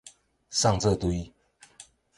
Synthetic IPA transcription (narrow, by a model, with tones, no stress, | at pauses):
sɑ˥˨ŋt͡sɤ˥˨t̪u˨˧i˦